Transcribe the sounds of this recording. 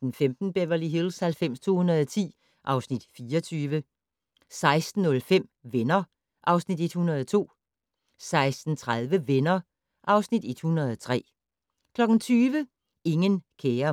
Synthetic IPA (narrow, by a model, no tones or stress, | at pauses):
d̥enfemd̥n̩əb̥eʋɐliɦilshælfem̰st͡sʰo̝̰ːhunɐð̩ˠɒt͡sʰḭː | ʔɑ̈ʊsnid̥fiːɒt͡sʰyːʋə | sɑ̈ɪsd̥n̩ːɔ̽lfem̰ʋenɐ | ʔɑ̈ʊsnid̥e̝d̥hunɐð̞ˠɒt͡sʰo̝̰ː | sɑ̈ɪsd̥n̩t͡sʰʁaðˠʋəʋenɐ | ʔɑ̈ʊsnid̥e̝d̥hunɐð̞ˠɒt͡sʰʁɛ̰ː | kʰlɒ̽ɡ̥n̩t͡sʰyːʋə | e̝ŋənkʰeːɐ